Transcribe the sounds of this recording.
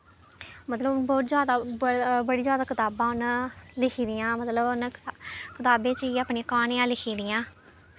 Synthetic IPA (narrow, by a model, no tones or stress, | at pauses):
mət̪ləbnbɔːt̪zjaːd̪aːbəɽiːzjaːd̪aːkʰɪt̪aːbãːʊnlɪkʰiːd̪ɪjãːmət̪ləbʊnkʰɪt̪aːbẽːt͡ʃəiəpɳeːkaːnẽːãːlɪkʰiːd̪ɪjãː